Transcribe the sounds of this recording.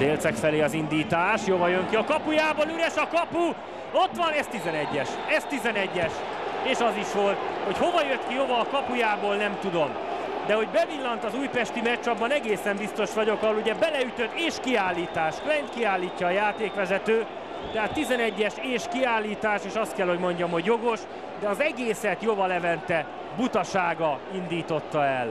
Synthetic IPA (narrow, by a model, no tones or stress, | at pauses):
d̪eːlt̪sɛkfɛleːɒzind̪iːt̪aːʃjovɒjøŋkiɒkɒpujaːboːlyɾɛʃɒkɒpu | o̞t̪ʋɒnɛst̪izɛnɛɟːɛʃɛst̪izɛnɛɟːɛʃ | eːʃɒziʃʋo̞lt̪ho̞cho̞vɒjøt̪kiɦo̞vɒːkɒpujaːboːlnɛmt̪ud̪o̞m | d̪ɛɦo̞ɟbɛvilːɒnt̪ɒzuːjpɛʃt̪imɛt͡ʃːɒbːɒnɛɡeːsɛmbist̪o̞ʃʋɒɟo̞kɒɦoluɟɛbɛlɛyt̪ø̞d̪eːʃkiaːlːiːt̪aːʃklɛjnt̪kiaːlːiːcːɒːjaːt̪eːkʋɛzɛt̪øː | t̪ɛɦaːt̪ːizɛnɛɟːɛʃeːʃkiaːlːiːt̪aːʃeːʃɒst̪kɛlho̞ɟmo̞ɲɟɒmɦo̞ɟjo̞ɡo̞ʃ | d̪ɛɒzɛɡeːsɛt̪jovɒlɛvɛnt̪ɛ | but̪ɒʃaːɡɒind̪iːt̪o̞t̪ːɒɛl